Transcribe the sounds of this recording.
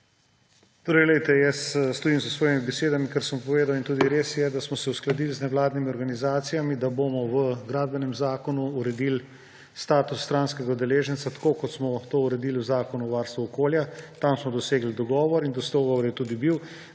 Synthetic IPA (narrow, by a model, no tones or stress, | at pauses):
t̪oːɾɛjlɛjt̪ɛjɛsːt̪ɔjimzəsʋɔːjemibɛseːd̪amikaɾsəmpɔʋeːd̪awint̪uːd̪iɾeːsjɛd̪asmɔsɛusklad̪ilznɛʋlaːd̪nimiɔɾɡanizaːt̪sijamid̪aboːmɔʋəɡɾaːd̪̚bɛnɛmzaːkɔnuːɾɛd̪il | st̪aːt̪usːt̪ɾanskɛɡad̪ɛleːʒənt̪sat̪ḁkokɔt̪smɔt̪oːuɾɛd̪iːliwzaːkɔnuʋaːɾst̪ʋuɔkoːljat̪amsmɔd̪ɔseːɡlid̪ɔɡɔːʋɔɾind̪ɔst̪ɡɔʋɔɾjɛt̪uːd̪ibiw